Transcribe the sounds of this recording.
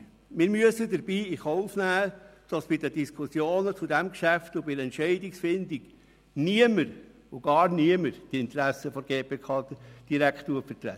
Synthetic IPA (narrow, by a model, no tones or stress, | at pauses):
mɪɾmyəsəd̪əɾbiːiχoʊfnæːd̥ɑsb̥ɪdəd̥iskʰusjoːnət͡sudɛmkʃæftʊbɪɛntʃɛɪdiksfɪnd̪iɡ | niəməɾ | ʊɡ̥ɑːɾniəməɾd̥ɪnt̪ɾæsəfɔɾɡeːpeːkʰɑːd̥iɾækχtːuəfəɾt̪ɾɛ̰